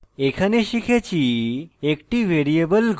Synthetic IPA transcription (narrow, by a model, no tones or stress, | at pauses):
ekʰaneʃikʰet͡ɕʰiekʈiʋʱeɾiebəlɡ